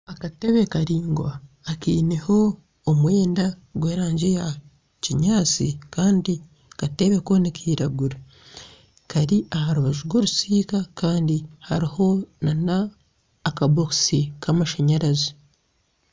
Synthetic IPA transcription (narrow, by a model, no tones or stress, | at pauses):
akate̞βe̞kaɾiːŋɡwaː | kiːneho̞ː | mwe̞ːndaɡwe̞ːɾaːɲɟeja | ciɲaːt͡sḭkaːndi | kate̞βe̞ko̞nikʰiːɾaɡuɾa | kaɾiahaɾuβaʒuɡwo̞ɾusiːkakaːndiha̰ɾiho̞nanaː | kaboksikʰamaʃaɲaɾazi